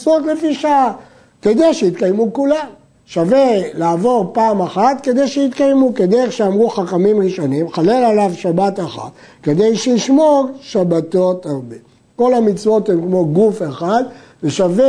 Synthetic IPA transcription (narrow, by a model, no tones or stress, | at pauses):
t͡sotlefiʃaa | ke̞d̪ejʃejit̪kajmukulam | ʃave̞laːvo̞ʁpaːmaχat̪ke̞d̪ejʃeit̪kajmuked̪eʁeχʃeamʁuχaχamimʁiʃo̞nimχale̞lalavʃabat̪aχa̰t̪ | ke̞d̪e̞jʃejiʃmoʁʃabat̪o̞taʁbe | ko̞lamit͡svo̞t̪hemkmo̞ɡufeχad̪ | veʃave